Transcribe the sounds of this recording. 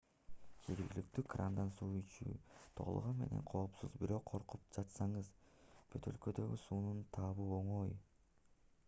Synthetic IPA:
d͡ʒe̞ɾɡʲilik̚t̪ykrʔand̪ɑnsuːyt͡ʃy̰t̪ʰo̞̰l̰ˠʁonme̞̰ne̞̰ɴqʰo̞ːpsuzbiɾo̞qʰːo̞ɾqup̚d͡ʒɑt̪sɑɴɯz | bʰøt̪ø̞lkø̞d̪ø̞ɡʲysuːnunt̪ʰɑːβɯoɴo̞j

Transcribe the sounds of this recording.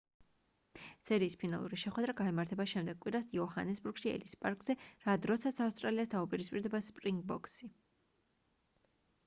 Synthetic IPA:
sɛɾiːspʰinalˠṵɾiʃɛχwɛd̪ɾaɡaɛmaɾt̪ʰɛbaʃɛmd̪ɛɡ̚kʼwiɾasiɔɦanɛsbuɾɡ̥ʃiɛ̰lispʼaɾkʼz̥ɛɾad̪ɾɔsat̪sʰafst̪ʼɾaliast̪ʰaupʼiɾispʼiɾd̪ɛbaspʼɾiŋɡ̚bɔkʼsi

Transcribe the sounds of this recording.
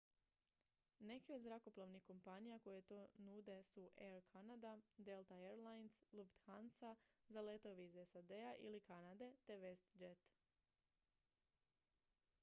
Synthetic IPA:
ne̞kiod̪zɾako̞plˠaʋnixko̞mpanijako̞jet̪onud̪e̞suʔeɾkʰanad̪ad̪elˠt̪aeɾlˠajnslˠuft̪xansazalet̪o̞ʋiizesad̪eaʔḭlikanad̪e̞t̪e̞ʋe̞st̪d͡ʒet̪

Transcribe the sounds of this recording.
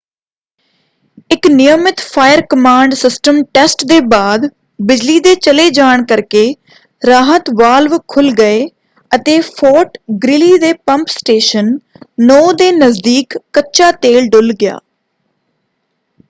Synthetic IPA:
ɪknɪjəmɪt̪pʰaːjəɾkəmãːɳɖsɪsʈəmʈɛsʈd̪eːbaːd̪ | bɪd͡ʒliːd̪eːt͡ʃəleːd͡ʒaːɳkəɾkeː | ɾaːɦət̪ʋaːlʋkʰʊlɡəeː | ət̪eːpʰɔːʈɡɾɪliːd̪eːpəmpsʈeːʃənː | ɔːd̪eːnəzd̪iːkːətːʃaːt̪eːlɖʊlɡɪja̰ː

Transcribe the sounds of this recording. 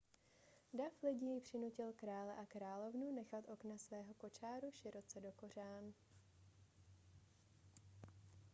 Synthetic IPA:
daflɪɟijɪpr̝̥ɪnucɪlkɾaːlɛʔakɾaːlo̞vnunɛxat̪ʔo̞knasvɛːɦo̞ko̞t͡ʃaːɾuʃɪɾo̞t͡sɛdo̞ko̞r̝aːn

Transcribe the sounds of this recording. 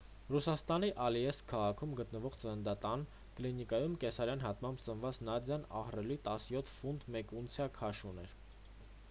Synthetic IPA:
rusɑst̪ɑniʔɑljɛskʰɑʁɑkʰumɡət̪nəvɔʁt͡sənənd̪ɑt̪ɑn | klinikɑjumkɛsɑɾjɑn̪ɦɑt̪mɑmbt͡sənvɑt͡snɑd̪jɑnɑ̰hrɛlit̪ɑsjɔt̪ʰfunt̪mɛkunt͡sʰjɑkʰɑʃunɛɾ

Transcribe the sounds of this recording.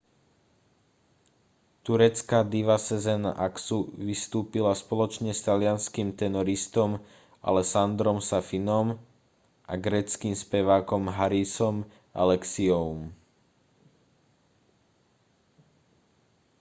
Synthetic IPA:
t̪uɾɛt͡skad̪iʋasɛzɛna̰ʔaksuʋist̪uːpilaspɔlɔt͡ʃɲɛst̪alɪanskimt̪ɛnɔɾist̪ɔm | a̰lɛsand̪ɾɔmsafinɔm | ʔa̰ɡɾɛːt͡skiːmspɛʋaːkɔmɦaɾisɔm | ʔa̰lɛksiɔʊm

